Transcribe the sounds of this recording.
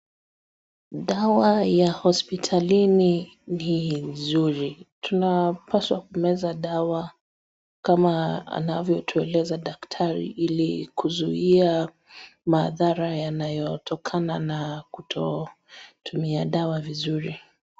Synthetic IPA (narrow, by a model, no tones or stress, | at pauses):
ɗawajahɔspitʰalini | ninzuɾitʰunapaswa̰kumɛzaɗawa | kamaa̰navjɔtʰuɛlɛzaɗaktʰaɾḭʔilikuzuia | maðaɾajanajɔtʰɔkʰananakutʰɔ | tʰumiaɗawavizuɾi